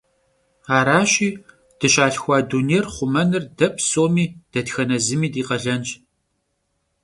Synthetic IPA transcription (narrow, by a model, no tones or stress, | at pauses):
aːɾaːɕʼiː | d̥ɨɕaːɬxʷɑːduːnerχʷʊmɐnɨrdɐp̚ʰsoːmiːd̥ɐtxɐnɐzɨmiːdiːqɐɮɐnt͡ʃʼ